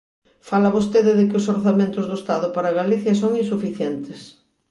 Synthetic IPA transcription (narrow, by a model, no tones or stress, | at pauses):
falaβost̪eðɪðekɪosoɾθamẽnt̪ʊzðoest̪aðʊpaɾaɣaliθjasoŋinsufiθjɛnt̪es